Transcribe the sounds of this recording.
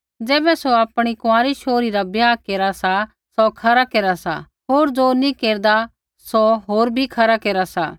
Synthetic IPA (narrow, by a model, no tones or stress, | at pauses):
d͡zɛːbɛsoaːpɽ̃ikʊãːɾiʃʰoːɾiɾabjaːkeːɾasa | sokʰɐɾakeːɾasa̰ | ɦoːɾd͡zonĩkeːɾd̪a | soɦoːɾbʱikʰɐɾakeːɾasa̰ː